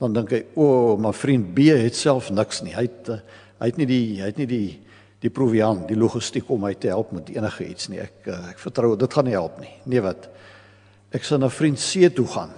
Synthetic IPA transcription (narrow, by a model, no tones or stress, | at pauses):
d̥ɐndəŋkɛjuəmɐfrint̚biəɦɛtsælˠfnəksniɦəjt̚ | ɦəjtnidiɦəjtnidi | d̥ipruviɐnt̚diluχəstikɔmɦəjtəɦælˠpmətiənəχəitsniɛ̰kəɛkfərtrəwdətχɐniɦælˠpniniəvɐt | ʔæksəwnɑːfrintsiətuχɐ̰n